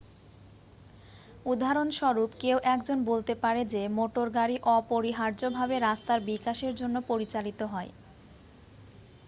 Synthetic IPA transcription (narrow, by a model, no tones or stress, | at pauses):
ud̪ʱaɾonʃɔɾupkewʔɛkd͡ʑonbolt̪epaɾed͡ʑemoʈoɾɡaɾiʔɔpoɾiɦaɾd͡ʑobʱabeɾast̪aɾbikaʃeɾd͡ʑonːopoɾit͡ɕalit̪oɦɔe